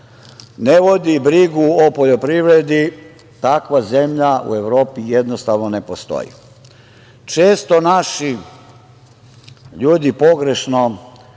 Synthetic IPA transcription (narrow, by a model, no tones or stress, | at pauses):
neʋo̞d̪ibɾiɡuopo̞ʎo̞pɾiʋɾed̪i | t̪akʋaze̞mʎaṵe̞ʋɾo̞ːpijed̪nost̪aʋnonepost̪o̰jḭ | t͡ʃeːst̪o̞naʃi | ʎuːd̪ipo̞ɡɾe̞ʃno